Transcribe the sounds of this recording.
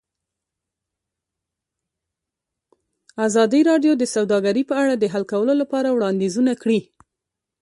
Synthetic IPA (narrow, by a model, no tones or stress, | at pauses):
ɑzɑd̪iɾɑɖjod̪əsawd̪ɑɡaɾipəaɽad̪əɦalkawəlolapɑɾawɽɑnd̪ezunakɽi